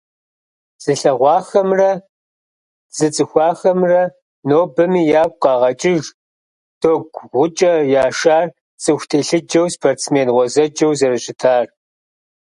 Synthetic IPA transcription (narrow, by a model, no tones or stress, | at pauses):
z̥ɨɬɐʁʷɑːxɐmrɐ | z̥ɨt͡sʼɨxʷɑːxɐmrɐ | noːbɐmiːjaːkʷʼqʼɑːʁɐt͡ʃʼɪʒ | d̥oːɡʷʁʷʊt͡ʃʼɐjaːʃaːr | t͡sʼɨxʷtʰeːɬɨd͡ʒɐwspʰort͡smeːnʁʷɔzɐd͡ʒɐwzɐrɨɕʼɪtʰaːr